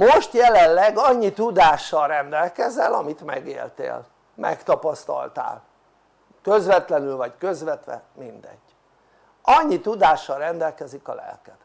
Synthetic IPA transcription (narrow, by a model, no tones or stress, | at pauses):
moʃt̪jɛlɛllɛɡɒɲːit̪ud̪aːʃːɒlrɛnd̪ɛlkɛzɛlɒmit̪mɛɡḛːlt̪ḛːl | mɛ̰kt̪ɒpɒst̪ɒ̰lt̪a̰ːl | køzʋɛt̪lɛnylvɒckø̞zʋɛt̪ʋɛ̰mind̪ɛ̰ɟ̥ː | ʔɒɲːit̪ud̪aːʃːɒlrɛnd̪ɛlkɛzikɒ̰lɛ̰lkɛt̪